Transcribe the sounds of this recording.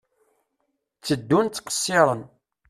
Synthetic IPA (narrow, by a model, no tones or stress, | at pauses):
t͡sːəd̪ːunt͡s̪ːqə̥sːɪɾˤən